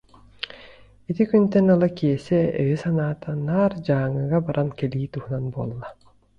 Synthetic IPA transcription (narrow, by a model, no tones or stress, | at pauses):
it̪ikynt̪ɛnɯlˠakiɛsɛœ̰jisanaːt̪anaːɾd͡ʑaːŋɯɣabaɾʔankɛliːt̪uhunanbuːlˠːa